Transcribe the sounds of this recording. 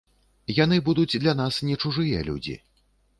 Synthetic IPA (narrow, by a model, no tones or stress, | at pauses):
jan̪ɨbud̪ud͡zʲd̪lʲanasnʲɛt͡ʂuʐɨjɛlʲṵd͡zʲḭ